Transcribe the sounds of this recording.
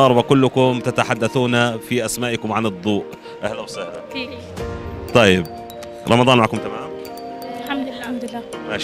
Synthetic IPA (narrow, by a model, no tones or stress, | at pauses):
ɑɾˤbakʊlːʊkʊmt̪ɪt̪aħad̪ːaθuːnafiʔasmaːʔakʊmʕanɨd̪ˤːuːʔ | ʔahlawsˤɨhɾa | t̪ˤɑjːɪb̚ | ɾˤɑmɑd̪ˤɑːnmaʕkʊmt̪amaːm | ħammd̪lːama